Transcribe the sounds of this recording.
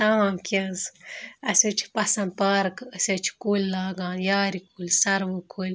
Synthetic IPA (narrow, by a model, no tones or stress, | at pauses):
t̪aːmkʲɐnzɐsʲɐt͡ʃʰi̥pɐsɐn̚pɐɾkɐsʲɐt͡ʃʰi̥kulʲlaːɡãːnjaːɾikulʲsɐɾʋɨkʰulʲ